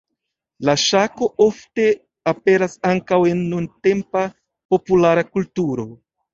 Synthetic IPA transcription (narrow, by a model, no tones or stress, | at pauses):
laʃako̞ʔo̞fte̞ | ape̞ɾasaŋkawe̞nːunte̞mpa | po̞pulaɾakultuɾo̞